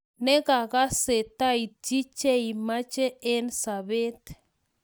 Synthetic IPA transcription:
ne˦ɣa˨ɣa˦se˨t̪a˦i˨t͡ʃi˦t͡ʃe˦i˨ma˦t͡ʃe˦e˦nsa˨βe˦t̪

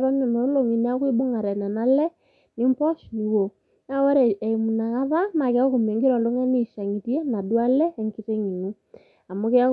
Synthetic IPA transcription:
ɾɔ˦nɔ˨no˨˦lo˨ŋi˨n˦a˦kwi˦bo˦ŋa˨ɾɛ˨na˨na˦lɛ˦ | nɪ˦mpɔ˦ʃni˨wo˨ | na˦wɛ˦ɾɛ˨e˨i˨mu˨na˨ka˦ða˦na˨ke˨˦a˦ku˨m˨e˨ŋɡi˦ɾɔ˨lo˦ŋa˦ni˦˨ʃa˨ŋi˨tje˦na˨dwa˦lɛ˦˨ŋki˦te˦ŋi˨nu˦ | a˨mo˦ke˦a˦

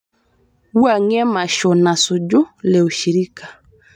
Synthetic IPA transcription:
u˦a˨ŋɛ˦ma˨ʃɔ˨na˨su˨d͡ʒʊ˦lɛ˨u˨ʃi˨ɾi˦kḁ˨

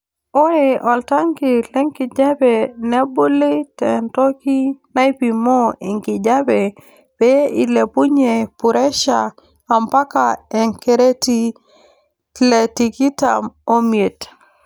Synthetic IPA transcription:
o˦e˨ʔɔ˨lta˦ŋkɪ˨lɛ˦ŋkɪ˨d͡ʒa˦be˨nɛ˦bo˦lɪ˦tɛ˨ntɔ˦ki˦na˦i˦pi˨mɔ˦i˨ŋkɪ˨d͡ʒa˦be˨ | be˦i˨le˨pu˦ɲe˨pʊ˨ɾɛ˦ʃaː˨ | mpa˦ka˨ɛ˨ŋke˨ɾe˦ti˦ | le˨ti˨ki˦ta̰˨mo˦mje˨t

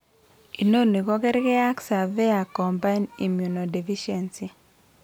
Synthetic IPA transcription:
i˨no˦ni˨kɔ˦kɛ˦ɾɡɛ˦a˦ksa˨ve˦a˨kɔ˨mba˦ini˨mju˨no˨di˨fi˦ʃɛ˨nsi˨

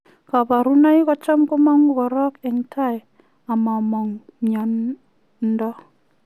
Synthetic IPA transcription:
ka˨ba˨ɾu˦na˦jkɔ˨˦t͡ʃɔ˦mkʊ˦ma˦ŋu˨kɔ˨ɾɔ˦kɛ˨ŋtʰa˦˨j | a˨ma˨mɔ˨ŋmɲɔ˨˦n | n̩˦dɔ˦

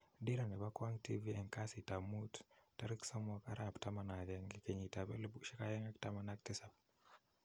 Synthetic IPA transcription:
di˦ɾa˨nɛ˨ba˦kwa˦ŋtiviɛ˨ŋkasita˨mutta˦ɾi˦ksa˦mwa˨ka˦ɾapta˦ma˨na˨jɛŋɡikeɲita˨bɛ˦lbuʃi˦kajɛ˦ŋa˦kta˦ma˨na˦k̚tɪsap̚

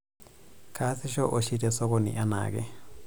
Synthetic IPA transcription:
kʰa˦sɪ˦ʃɔ˦ʔo˨ʃi˦tɛ˨sɔ˦kɔ˨nḭ˨ʔa˦na̰˨ɡɛ̰˦

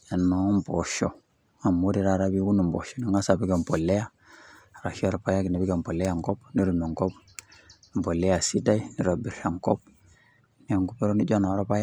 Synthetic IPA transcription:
e˨nːo˨˦mbo˨ʃo˨ | a˨mːu˦ɾi˨ɾa˦˨ɾa˦bi˦ɡu˦nu˨mbo̰˨ʃo˨ni˨ŋa˦sa˨bi˦ɡe˨mpo˨lːe˦ja˦˨ | ɾa˨ʃi˦a˨ɾa˨pa˦ja˦ki˨na˨bi˦ɡe˨m˨po˨lːe˦ja˨ŋko˦bni˦ɾu˨mo˨ŋko˦p | m˨po˨lːe˦ja˨si˦da˦i˦ni˨ɾo˨bi˨ɾha˨ŋko˦p̚ | ni˦ja˨ŋɡu˦pi˦ɾo˦ni˦d͡ʒo˦na˨˦ɾo˦pa˦ja˦

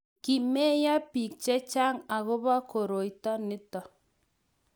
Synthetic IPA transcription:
ki˨mɛ˦ja˦pi˨k̚t͡ʃɛ˦t͡ʃa˦ŋa˨ɣʊ˦βa˦ko˨ɾo˨i˨tɔ˦nɪ˦tɔ˨

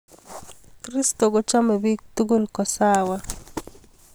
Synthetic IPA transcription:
kɾi˦st̪o˨ɡo˦t͡ʃa˦me˨bi˦k̚t̪u˦ɡu˦lkɔ˨sawa˦

